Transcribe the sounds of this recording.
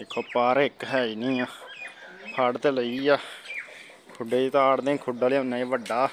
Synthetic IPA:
ekʰːoːpaːɾɪkɦɛːiːnĩːaː | pʰaːɽt̪eːləiːaː | kʰʊɖeːiːt̪aːɽd̪ẽːkʰʊɖaːleʊnːaːiːʋəɖːaː

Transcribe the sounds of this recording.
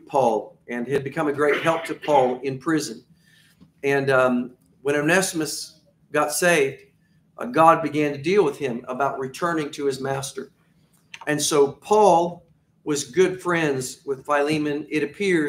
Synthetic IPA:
pʰɔlˠɨ̃nɨd̚bɨkʰʌ̃mɨɡɹeɪt̚ɦɛlˠp̚tʰɨpʰɔlˠɪ̃npʰɹ̥ɪzɨ̃n | ɨ̃n | wə̃ɾ̃oʊnæsmɨs | ɡ̥ɑtseɪvd̥ | ɡɑd̚bɨɡæ̃ntʰɨdilˠwəð̥ɪ̃mə̰baʊʔ̚ɹɨtʰɜ̃˞nɪ̃ŋtʰɨɨzmæstə˞ | ɨ̃nsoʊpʰɔlˠ | wʌzɡʊd̥fɹɛ̃ndzwɨð̥faɪlĩmɨ̃nɪɾɨpʰɪ

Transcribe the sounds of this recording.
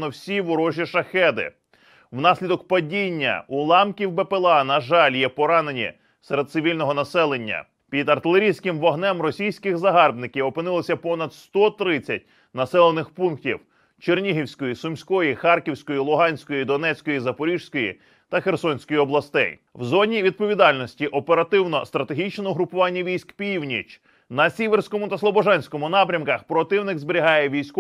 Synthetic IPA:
nɔwsʲiʋʊɾɔʒʲiʃɐxɛd̪ɪ̰ | wnɑsʲlʲid̪ɔkpɐdʲinʲːɐ̰ulˠɑmkʲiwbepelˠɑnɐʒɑlʲjɛpɔɾɑnenʲḭ | seɾed̪t̪sɪʋʲilʲnɔɦɔnɐsɛlˠenʲːɐ̰ | pʲid̪ɐrt̪ɪlˠeɾʲijsʲkɪmʋɔɦnɛmrɔsʲijsʲkɪxzɐɦɑrbnɪkʲiwɔpɪnɪlˠɔsʲɐpɔnɐd̪st̪ɔt̪ɾɪt͡sʲːɐt̚ʲ | nɐsɛlˠenɪxpunktʲḭw | t͡ʃernʲiɦiwsʲkɔjisʊmsʲkɔjixɑrkʲiwsʲkɔjilˠʊɦɑnʲsʲkɔjid̪ɔnɛt͡sʲkɔjizɐpɔɾʲiʒsʲkɔjḭ | t̪ɐxersɔnʲsʲkɔjiɔblˠɐst̪ɛ̰j | wzɔnʲiʋʲid̪̚pɔʋʲid̪ɑlʲnɔsʲtʲiʔɔpe̞ɾɐt̪ɪwnɔst̪ɾɐt̪eɦʲit͡ʃnɔɔɦɾʊpʊʋɑnʲːɐʋʲijsʲkpʲiwnʲit͡ʃ | nɐsʲiʋersʲkɔmʊt̪ɐslˠɔbɔʒɑnʲsʲkɔmʊnɑpɾʲɐmkɐxpɾɔt̪ɪwnɪɡzbeɾʲiɦɑjɛʋʲijsʲk

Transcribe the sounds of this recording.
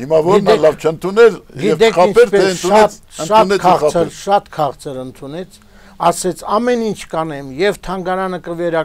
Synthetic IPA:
himɑvɔɾnɑlɑvt͡ʃʰənt̪ʰunɛɾjɡiɛt̪ɛɑnpʰɛɾpɛɛnʰuɑɛt̪ | ənʃɑnɛkʰʁʰəɾʃɑt̪kʰɑʁt͡sʰəɾənt̪ʰunɛt͡sʰ | ɑsɛt͡sʰɑmɛnint͡ʃʰkɑnɛmjɛvt̪ʰɑŋɡɑɾɑnəkəvɛɾɑ

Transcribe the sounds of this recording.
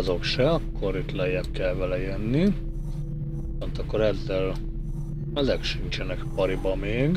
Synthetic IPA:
zo̞kʃɛɒkːo̞ɾit̪lɛjɛbkɛlvɛlɛjønːi | isont̪ɒkːoɾɛzːɛl | ɛzɛkʃint͡ʃɛnɛkpɒɾibɒmeːɡ

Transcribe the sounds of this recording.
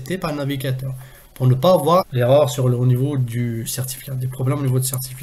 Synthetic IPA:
t̪epaʁnaviɡʲat̪œʁ | puʁnəpavwaʁleʁœʁsyʁlonivod̪ysɛʁt̪i̥fi̥kʲad̪epχɔblɛmonivod̪ysɛʁt̪i̥fi

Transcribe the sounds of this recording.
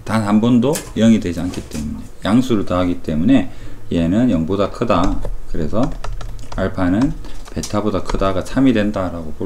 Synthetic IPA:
tanhambʌndojʌŋidwe̞d͡ʑiankʰit͈e̞mune̞jaŋsʰuɾɯɭtaɦaɡit͈e̞mune̞ie̞nɯnjʌŋbodakʰɯdakɯɾe̞̰sʰʌ | aɭpʰanɯnpe̞tʰabodakʰɯdaɡat͡ɕʰamidwe̞ndaɾaɡopo

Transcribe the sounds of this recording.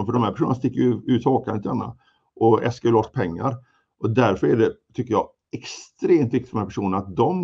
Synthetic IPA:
fœɖɔmhæɾpæʂuːnnast̪ɪkːəjʉːt̪ʰoːkʰant̪ʰaɳa̰ | ʔɔɛ̰lskajəlɔʈ̪ːpʰɛŋːa̰ɾ | ʔɔd̪æɾfœɾæɖɛt̪ʰʏkːəjɑː | ɛkst̪ɾeːmt̪vɪk̚t̪ɪ̥fœɖɔmhæpæʂuːnəɳaat̪̚d̪ɔm

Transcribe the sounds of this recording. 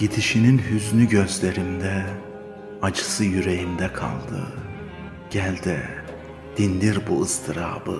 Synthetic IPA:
ɟit̪ʰiʃininhyznyɟøzt̪ʰeɾimd̪ɛ | ad͡ʒɯ̥sɯjyɾejimd̪ɛkʰa̰lˠd̪ɯ̰ | ɟ̥ælʲd̪i | d̪̥ind̪iɾbuɯst̪ʰiɾa̰ːbɯ

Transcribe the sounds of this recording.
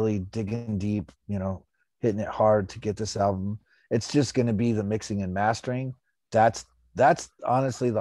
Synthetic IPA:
lˠidɪɡɪ̃ŋdipjɨñoʊ | hɪɾɪ̃ŋɨt̚hɑɹd̚tʰɨɡɛt̪̚ðɪsælˠbə̃m̩ | ɨtsd̥ʒ̥ʌsɡ̥ʌnɨbiðɨmɪksɪ̃ŋɨ̃nmæstə˞ɪ̃ŋ | ðæts | ðætsɑnɨstˡliðə

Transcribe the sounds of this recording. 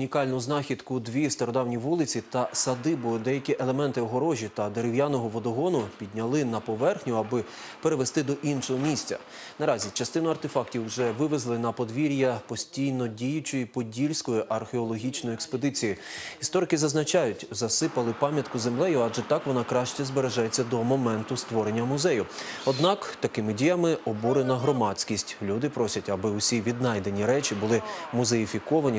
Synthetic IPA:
ʊnʲikɑlʲnʊʊznɑxʲid̪kʊd̪ʋʲist̪ɐɾɔd̪ɑwnʲiʋulˠɪt͡sʲit̪ɐsɐd̪ɪbʊd̪ɛjɐkʲiʔelˠemɛnt̪ɪɔɦɔɾɔʒʲit̪ɐd̪eɾɪwjanɔɦɔʋɔd̪ɔɦɔnʊpʲid̪ʲnʲɐlˠɪnɐpɔʋɛrxnʲʊɐbɪ | peɾeʋest̪ɪd̪ɔʔinʃɔɦɔmʲisʲt͡sʲɐ̰ | nɐɾɑzʲit͡ʃɐst̪ɪnʊɐrt̪efɑktʲiwʒɛʋɪʋezlˠɪnɐpɔd̪ʋʲiɾʲjɐpɔsʲtʲijnɔdʲijʊt͡ʃɔjipɔdʲilʲsʲkɔjiʔɐrxeɔlˠɔɦʲit͡ʃnɔjʊɛkspɔd̪ɪt͡sʲijiist̪ɔɾɪkɪzɐznɐt͡ʃɑjʊtʲzɐsɪpɐlˠɪpɑmʲjɐt̪kʊze̞mlˠɛjʊɑd͡ʒɛt̪ɑkʋɔnɑkɾɑʃt͡ʃɛzbeɾe̞ʒajet͡sʲːɐd̪ɔmɔmɛnt̪ʊst̪ʋɔɾe̞nʲːɐmʊzɛjʊɔd̪nɑkt̪ɐkɪmɪdʲijɐmɪɔbuɾenɐɦɾɔmɑt͡sʲkʲisʲtʲlʲud̪ɪpɾɔsʲɐtʲɐbɪʊsʲiʋʲid̪̚nɑjd̪e̞nʲiɾɛt͡ʃibʊlˠɪmʊzejifʲikɔʋɐnʲi

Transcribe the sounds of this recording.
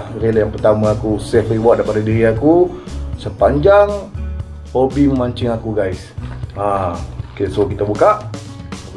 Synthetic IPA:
ɾeljaŋpərt̪aməakusɛfriwaʔdaipadadiɾiakusəpaɲd͡ʒaŋ | hobiməmaɲt͡ʃəŋakuɡaisakesokit̪əbukaʔ

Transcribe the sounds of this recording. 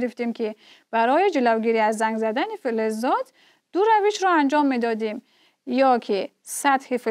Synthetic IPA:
ɾift̪imkʰi | b̥aɾɔjid͡ʒilavɡiɾiazːaŋɡzad̪anifilezːɔd̪ | d̪̥uɾaviʃɾɔand͡ʒɔmːed̪ɔd̪em | jɔkʰi | sat̪hifi

